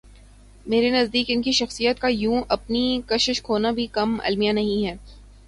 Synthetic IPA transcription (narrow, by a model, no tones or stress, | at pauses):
meːɾenɐzd̪iːkɪnkiʃɐxsijət̪kajũːʔɐpnikɐʃɪʃkʰoːnabʱikɐmɐ̰lmijanɐɦĩɦɛː